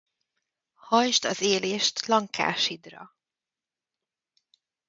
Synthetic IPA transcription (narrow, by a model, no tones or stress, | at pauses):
hɒjʒt̪ɒzeːleːʃt̪lɒŋka̰ːʃid̪rɒ̰